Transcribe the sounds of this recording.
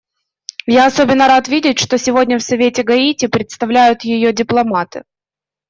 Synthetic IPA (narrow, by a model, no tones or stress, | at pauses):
jaɐso̞bʲɪnːəɾat̪vʲidʲɪtʲʂt̪osʲɪvo̞dʲnʲəfsɐvʲetʲɪɡɐitʲɪpɾʲɪt̪st̪ɐvlʲæjʊt̪jɪjodʲɪplˠɐmat̪ɨ̰